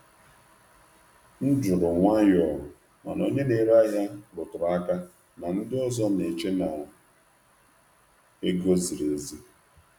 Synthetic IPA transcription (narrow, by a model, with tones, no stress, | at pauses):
n̩˦d͡ʒʊ˨ɾʊ˨ŋʷa˦jɔ˨ | ma̰˨no˨ɲe˦ne˨ɾa˦ja˦ɾʊ˨tʊ˨ɾa˦ka˦ | na˨n̩˦dɪ˦ɔ˦zɔ˦ne˨t͡ʃe˦na˨ʊ˨ | e˦ɡo˦zi˨ɾe˨˦zi˦